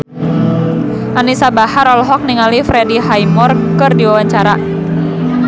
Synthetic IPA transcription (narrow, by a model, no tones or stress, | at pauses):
ʔanisabahaɾɔlɔɦɔk̚niŋalifɾediɦajmɔrkɨrdiwawaɲt͡ʃaɾa